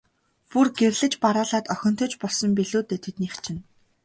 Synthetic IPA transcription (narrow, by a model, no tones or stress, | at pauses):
purɡerɮɘ̆t͡ɕpaɾaːɮaːt̪œxʲɞ̆n̥t̪ʰɵ̆t͡ɕpɔɮsɞ̆mpiɮuːt̪eːt̪ʰet̪niːxt͡ɕʰɪ̆n